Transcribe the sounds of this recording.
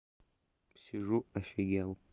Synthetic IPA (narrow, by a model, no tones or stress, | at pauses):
psiʐuaʃaɡʲal